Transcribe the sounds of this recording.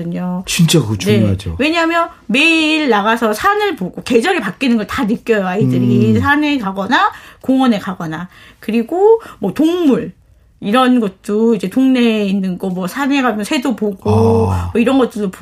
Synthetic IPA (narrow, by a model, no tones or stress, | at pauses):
ɯɲot͡ɕint͡ɕ͈akɯt͡ɕne̞d͡ʑo̰we̞ɲaɦamjʌn | me̞iɾɭnaɡasʰʌsʰanɯɭpoɡoke̞d͡ʑʌɾipak͈inɯnɡʌɭtanɯk͈jʌjʌaidɯɾisʰane̞kaɡʌnakoŋʌne̞kaɡʌnakɯɾiɡomwʌtoŋmuɭ | iɾʌnɡʌt̚t͈oid͡ʑe̞toŋne̞inːɯnɡʌmwʌsʰaneɡad͡ʑunsʰe̞dopoɡomʌiɾʌnɡʌt̚t͈ɯɭdop